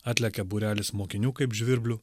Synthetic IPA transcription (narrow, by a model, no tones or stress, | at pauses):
ɑːt̪ʲlʲɛkʲɛbuːɾʲæːlʲɪsmoːkʲɪnʲuːkɐɪpʒʲʋʲɪɾʲbʲlʲʊ